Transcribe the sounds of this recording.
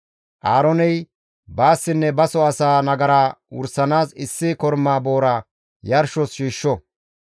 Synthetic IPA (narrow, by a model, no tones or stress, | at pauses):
ʔaːɾɔnɛj | baːsːɪnːɛbɐsɔɐsaːnɐɡɐɾaːʊ̰ɾsːɐnaːsɪsːɪkɔɾmːaːbo̞ːɾa | jɐɾʃɔsʃiːʃːɔ